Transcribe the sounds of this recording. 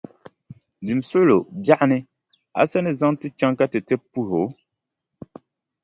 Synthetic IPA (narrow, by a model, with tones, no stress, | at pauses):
di˨m˨sʊ˦ʔlo˨bja˦ʔnɨ˦ | a̰˨sɛ˦nɨ˦zã˦ŋti˦t͡ʃã˦ŋka˦tɨ˨tɛ˦pu˦ɾo˨˦